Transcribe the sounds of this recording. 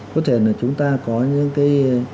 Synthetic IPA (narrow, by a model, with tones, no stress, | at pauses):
kɔ˨˦t̪ʰe˧˩naː˨˩t͡ɕʊ˨˦ŋ͡mt̪aː˧kɔ˨˦ɲɨ˧˥ŋkaː˨˦j